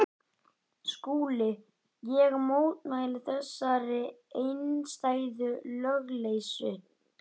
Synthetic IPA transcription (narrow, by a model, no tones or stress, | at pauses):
skuːlɪ | jɛɣmoːwt̪nalɪθɛsːaɾɪejnst̪aːjðʏlœɣlejsʏ